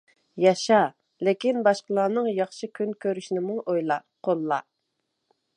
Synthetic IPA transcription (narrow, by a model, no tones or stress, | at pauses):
jɑʃɑ | lɪkʲinbɑʃqəlˠɑːnɨŋjɑχʃɨkʲʰynkʲʰøɾyʃnɪmuŋʔojlˠɑ | qʰolˠːɑ